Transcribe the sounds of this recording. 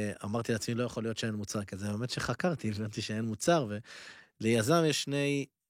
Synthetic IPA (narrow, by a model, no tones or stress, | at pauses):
a̰maʁt̪ileat͡smilo̞jaχo̞lijo̞t̪ʃeenmut͡saʁkizebemet̪ʃeχakaʁt̪ievant̪iʃeenmut͡saʁve̞lejazamjeʃʃne̞j